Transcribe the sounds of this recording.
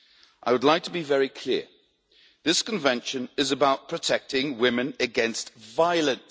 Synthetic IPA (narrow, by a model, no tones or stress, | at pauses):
ʔa̰ɪwədˡlaɪk̚tʰəbivɛɹikʰl̥ɪə | ðɪskə̃ɱvɛ̃nʃə̃nɪzəbaʊt̚pʰɹ̥ətʰɛk̚tɪ̃ŋwɪmɪ̃nəɡɛ̃nstvaɪəlˠə̃n